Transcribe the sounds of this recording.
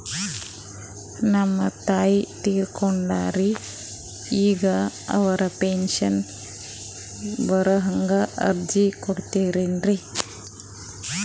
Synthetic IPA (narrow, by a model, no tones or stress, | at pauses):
nɐmːɐt̪aːjit̪iːɾkoɳɖaːɾi | iːɡɐɐ̰ʋɐɾɐpenʃɐn | bɐɾɐɦɐŋɡɐʔɐ̰ɾd͡ʒikoɽt̪eːɾeːnɾi